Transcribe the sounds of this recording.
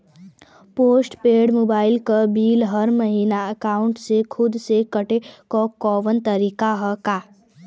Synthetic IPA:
poːsʈpeːɽmoːbaːɪlkabiːlɦəɾməɦiːnaəkaːʊ̃ɳʈsekʰʊd̪sekɐʈekɔkɔːʋənt̪əɾiːkaɦəkaː

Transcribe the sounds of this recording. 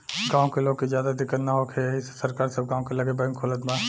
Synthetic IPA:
ɡãːõkeloːɡ̚kizjaːd̪ad̪ɪkːət̪naɦokʰeɦissɐɾkaːɾsɐb̚ɡãːw̃kelɐɡebŋkʰoːlət̪mã

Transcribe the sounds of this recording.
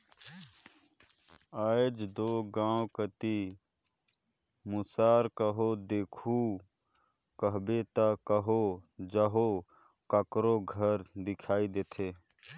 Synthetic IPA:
aːjd͡ʒd̪oːɡãːwkət̪i | mʊsaːɾkəɦod̪eːkʰu | kəɦbet̪akəɦod͡ʒəɦo | kəkɾoɡʱəɾd̪ɪkʰaːid̪eːt̪ʰeː

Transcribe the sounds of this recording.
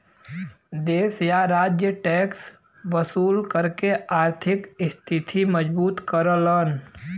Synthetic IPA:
d̪eːsjaɾaːd͡ʒjəʈɛːks | ʋəsuːlkəɾkeaːɾt̪ʰɪkɪst̪ʰɪt̪ʰiməd͡ʒbuːt̪kəɾələn

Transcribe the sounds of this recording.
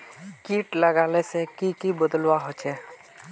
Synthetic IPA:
kiʈləɡaːlesekikibəd̪əlwaɦot͡ʃʰe

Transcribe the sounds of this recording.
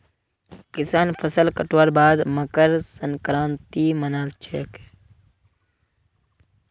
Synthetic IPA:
kɪsaːnfʰəsəlkəʈwaɾbaːd̪məkəɾsənkɾaːnt̪iːmənaːlt͡ʃʰḛːk

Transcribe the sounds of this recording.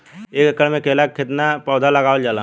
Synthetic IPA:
eːkəkːəɾmẽkeːlakkʰːɪt̪napɔːd̪ʱaləɡaːold͡ʒaːla

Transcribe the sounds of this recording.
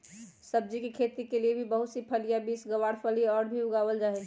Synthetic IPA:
səb̚d͡ʒikekʰeːt̪ikeliebʱibəɦʊt̪sipʰəlijabiːsɡəʋaːɽpʰəliɔːɾbʱiʊɡaːwəld͡ʒaːɦe

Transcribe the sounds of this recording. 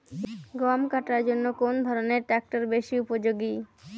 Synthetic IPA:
ɡɔmkaʈaɾd͡ʑonːokond̪ʱɔɾoneɾʈɾɛk̚ʈoɾbeʃiupod͡ʑoɡi

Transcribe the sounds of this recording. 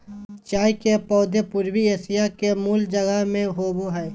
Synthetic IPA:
t͡ʃaːikepɔːd̪epʊɾwieːsɪjakemuːld͡ʒəɡəɦmẽɦoːboɦɛː

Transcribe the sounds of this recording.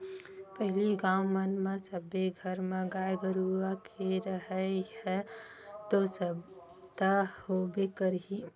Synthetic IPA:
pəɦɪliɡãːwmənmẽsəbeɡʱəɾmẽɡaːjɡəɾuakʰeɾəɦɛhɛt̪osəb | d̪ahobekəɾɦi

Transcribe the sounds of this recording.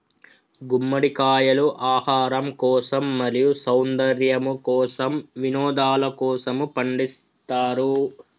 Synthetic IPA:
ɡumːɐɽikaːjɐluʔaːhaːɾɐmkɔːsɐmːɐɾijusɐwnd̪ɐɾjɐmukɔːsɐmʋinɔːd̪aːlɐkɔːsɐmupɐɳɖis | t̪aːɾu

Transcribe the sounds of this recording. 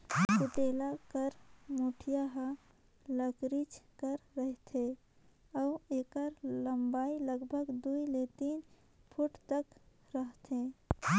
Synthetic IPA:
kuʈelakəɾmuʈʰijaɦə̃ | ləkɾit͡ʃkəɾːəɦt̪ʰe | auekəɾləmbailəɡbʱəɡd̪uilet̪iːn | pʰuʈt̪ək | ɾəɦt̪ʰe

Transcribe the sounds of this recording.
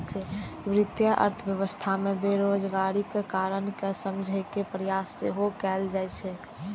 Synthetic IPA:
t͡ʃʰɛʋɾɪt̪jəʔə̰ɾt̪ʰəʋjəʋəst̪ʰamẽbeɾod͡ʒɡaɾikekaɾənkesəmd͡ʒʱəɪkepɾəjasːeɦokɛːld͡ʒaɛt͡ʃʰɛ

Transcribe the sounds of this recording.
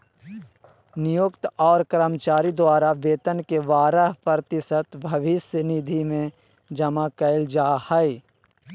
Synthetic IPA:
nɪjʊkt̪ɔːɾkɾəmt͡ʃaːɾid̪waːɾaʋeːt̪ənkeʋaːɾəɦpəɾt̪ɪsət̪bʱɐʋɪsənɪd̪ʱimẽ | d͡ʒɐmakəɪld͡ʒaːhəi

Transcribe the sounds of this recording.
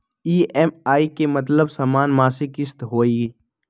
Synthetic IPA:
iːɛmaːikemɐt̪̬ləbsaːmaːnmaːsikɪst̪ɦoːi

